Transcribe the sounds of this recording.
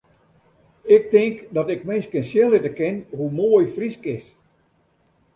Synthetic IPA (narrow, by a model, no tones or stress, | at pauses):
ɪk̚tɪŋkdɔtɪkmɪnskɛnsjɪlˠɪtəkɪnɦumoːjfriskɪs